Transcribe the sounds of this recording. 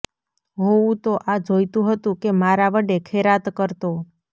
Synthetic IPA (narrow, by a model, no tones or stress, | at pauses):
ɦoũt̪oʔad͡ʒojt̪ũɦət̪ũkemaɾaʋəɖekʰeɾat̪kəɾt̪o